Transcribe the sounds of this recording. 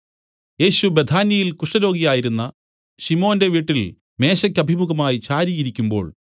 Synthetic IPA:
je̞ːɕube̞d̪ʰʱaːnjɐjilkuʂʈɐɾo̞ːɡijaːjiɾunːɐ | ɕimo̞ːnde̞ʋiːʈːil | me̞ːɕɐkʲːɐbʱimuɣɐmaːjit͡ɕaːɾijiɾikʲːumbo̞̰ːɭ

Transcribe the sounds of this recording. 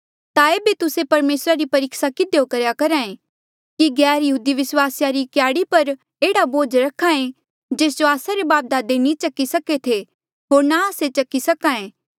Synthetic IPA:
t̪aeːbet̪ʊsepɐɾmeːsɾaɾipɐɾɪksakɪd̪ejokɐɾjakɐɾãːẽ | kiɡɛːɾjɐɦuːd̪iʋɪswaːsjaɾikjaːɽipɐɾ | eːɽaboːd͡ʒɾɐkʰːãẽ | d͡ʒeːs̬d͡ʒoaːsaɾebaːp̚d̪aːd̪enĩt͡ʃɐkːisɐket̪ʰe | ɦoːɾnaaːset͡ʃɐkːisɐkãːẽː

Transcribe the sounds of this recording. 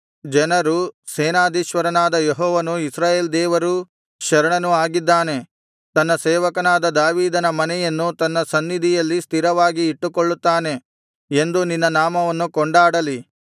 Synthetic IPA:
d͡ʒɛnɐɾuseːnaːd̪ʱiʃʋɐɾɐnaːd̪ɐjeɦɔːʋɐnuisɾaːjeːld̪ɛːʋɐɾu | ʃɐɾɐɳɐnuaːɡid̪ːaːne̞ | t̪ɐnːɐsɛːʋɐkɐnaːd̪ɐd̪aːʋiːd̪ɐnɐmɐnɛjɐnːut̪ɐnːɐsɐnːid̪ʱijɐlːist̪ʰiɾɐʋaːɡiːʈːukoɭːut̪ːaːne̞ | end̪uninːɐnaːmɐʋɐnːukɔɳɖaːɽɐli

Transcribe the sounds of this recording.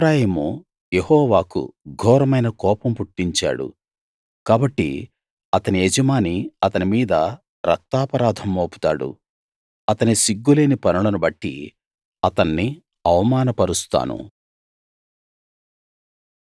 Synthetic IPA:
bɾaːjemu | jehɔːʋaːkṵɡʱɔːɾɐmɐjnɐkɔːpɐmpuʈːiɲt͡ʃa̰ːɽṵ | kaːbɐʈːḭ | ɐt̪ɐnied͡ʒɐmaːniɐt̪ɐnimiːd̪ɐ | ɾɐk̚t̪aːpɐɾaːd̪ʱɐmːoːpu̥t̪a̰ːɽṵ | ɐt̪ɐnisiɡːule̞ːnipɐnɐɭɐnubɐʈːḭ | ɐt̪ɐnːi | ɐʋɐmaːnɐpɐɾust̪a̰ːnṵ

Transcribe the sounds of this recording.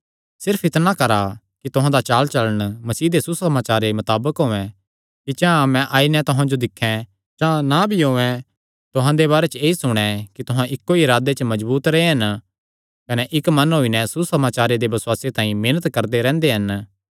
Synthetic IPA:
sɪɾpʰɪt̪nãkɐɾa | kit̪ʊɦãd̪at͡ʃaːlt͡ʃɐləɽ̃mɐsiːd̪esusɐmaːt͡ʃaːɾemɐt̪aːbəkɦoːɛ̃ | kit͡ʃãːmɛ̃ʔaːinɛ̃t̪ʊɦãd͡ʒod̪ɪkʰːɛ̃ | t͡ʃãnabʱiɦoːɛ̃ | t̪ʊɦãd̪eβaːɾet͡ʃeːisʊɽ̃ɛ̃kit̪ʊɦãʔɪkːoiɪɾaːd̪et͡ʃmɐd͡ʒbuːt̪ɾɐeɦɐn | kɐnɛʔɪkmɐnɦoːinɛ̃susɐmaːt͡ʃaːɾed̪ebɐsʊwaːset̪ãːĩmeːnət̪kɐɾd̪eɾɛ̃ːnd̪eɦɐn

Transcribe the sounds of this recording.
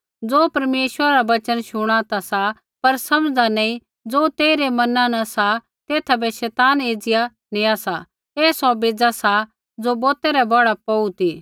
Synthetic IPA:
d͡zoːpɐɾmeːʃwəɾaɾabɐt͡ʃənʃʊɽ̃at̪asa | pɐɾsɐmd͡zanẽĩ | d͡zoːt̪eːiɾemɐnãnɐsa | t̪eːt̪ʰabɛʃɛːt̪aːneːd͡zɪja | neːasa | eːsɔbeːd͡zasa | d͡zobɔːt̪ɛɾɛbɐɽapɔut̪iː

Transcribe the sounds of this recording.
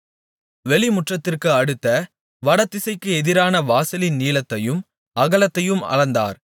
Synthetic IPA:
ʋɛɭɪmʊʈrɐt̪ːɪrkɯɐɽɯt̪ːɐ | ʋɐɽɐt̪ːɪsɐɪkːɯɛðɪɾaːnɐʋaːsɐlɪnniːlɐt̪ːɐjɯm | ɐɣɐlɐt̪ːɐjɯmɐ̰ɻɐnd̪a̰ːɾ

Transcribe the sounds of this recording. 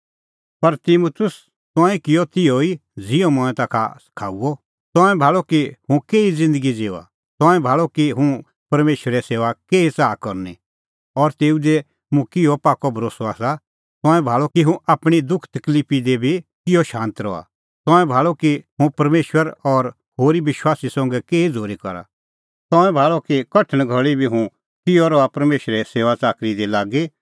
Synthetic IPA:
pɐɾt̪imut̪ʰʊs | t̪ɔ̃ːĩkɪjot̪ɪoid͡zɪjomɔ̃ɛ̃t̪aːkʰa̰sɐ̥kʰa̰ːuɔ | t̪ɔ̃ːɛ̃bʱaːɭɔkihũkeːid͡zɪ̃nd̪əɡid͡zeːa̰ | t̪ɔ̃ːɛ̃bʱaːɭɔkiɦũ | pɐɾmeːʃwəɾɛseːʋakeːit͡saːkɔɾni | ɔɾt̪eːud̪e | mũkɪɔpaːkɔbʱɐɾoːsɔa̰ːsa | t̪ɔ̃ːɛ̃bʱaːɭɔkiɦũʔaːpɽ̃id̪ʊkʰt̪ɐkliːpid̪ebʱikɪjɔʃãːnt̪ɾɔ̰a̰ | t̪ɔ̃ːɛ̃bʱaːɭɔkiɦũpɐɾmeːʃwəɾɔɾ | hoːɾiʋɪʃwaːsisɔ̃ŋɡɛkeːid͡zʱoːɾikɐɾa̰ | t̪ɔ̃ːɛ̃bʱaːɭɔkikɐʈʰə̃ɽ̃ɡʱɐɭibʱiɦũ | kɪjɔɾɔapɐɾmeːʃɾɛseːʋat͡saːkɾid̪ɛlaːɡi

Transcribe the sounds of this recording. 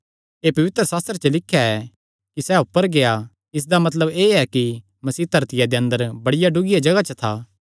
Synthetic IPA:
eːpɐʋɪt̪ɾəsaːst̪ɾət͡ʃəlɪkʰːjaɛ | kisɛʊpːəɾɡea | ɪs̬d̪amɐt̪ləbeːɛki | mɐsiːt̪ɐɾt̪ɪjad̪eɐ̃nd̪əɾbɐɽɪjaɖʊɡijad͡ʒɐɡat͡ʃət̪ʰaː

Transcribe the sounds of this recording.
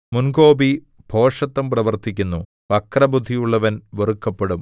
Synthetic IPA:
munko̞ːbi | bʱo̞ːʂɐt̪ːɐmprɐʋɐrt̪ikʲːunːu | pɐkrɐbʱud̪ʱijuɭːɐʋɐnʋerukːɐpːeɽum

